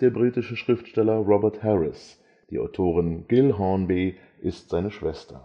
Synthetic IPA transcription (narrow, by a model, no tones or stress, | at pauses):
d̥eːɐbʁiːtɪʃəʃʁ̥ɪftʃtɛlɐʁɔbɛɐthɛʁɪs | d̥iːʔa̰ʊtʰoːʁɪnɡ̥ɪlɦɔnbeː | ʔɪstz̥aɪnəʃv̥ɛstɐ̰